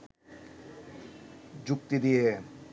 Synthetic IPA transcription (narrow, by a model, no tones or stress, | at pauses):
d͡ʑukt̪id̪ije